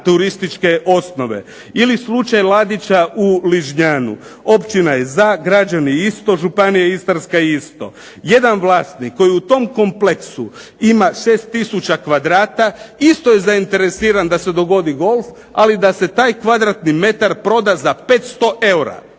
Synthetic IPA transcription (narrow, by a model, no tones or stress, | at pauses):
t̪uɾist̪it͡ʃke̞ʔo̞sno̞ʋe̞̰ | ilislut͡ʃajlad̪it͡ʃaʔuliʒɲaːnṵ | opt͡ʃinajezaɡɾad͡ʒaniist̪o̞ʒupanijaist̪aɾskaiist̪o̞̰ | je̞d̪anʋlˠaːst̪nikːo̞jiut̪o̞mko̞mpleksuimaʃe̞ːst̪ːisut͡ʃakʋad̪ɾaːt̪aist̪o̞je̞zaint̪e̞ɾesiːɾand̪ase̞d̪o̞ɡo̞d̪iɡo̞lˠf | alid̪ase̞t̪aːjkʋad̪ɾat̪nime̞t̪aɾpɾo̞d̪azape̞ːt̪st̪o̞ʔe̞wɾa̰